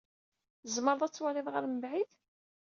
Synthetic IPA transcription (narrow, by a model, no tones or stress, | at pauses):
zməɾˤðˤæt͡sːwælɪðˤʁaɾməbʕið